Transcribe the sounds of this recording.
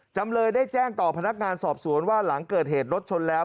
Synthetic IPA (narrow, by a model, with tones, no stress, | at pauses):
t͡ɕa˧mlɤː˧jdaː˥˩jt͡ɕɛː˥˩ŋt̪ɔː˨˩pʰa˧na˦˥k̚ŋaː˧nsɔː˨˩p̚su˩˦ənwaː˥˩la˩˦ŋkɤː˨˩t̪̚heː˨˩t̪̚ɾo˦˥t̪̚t͡ɕʰo˧nlɛː˦˥w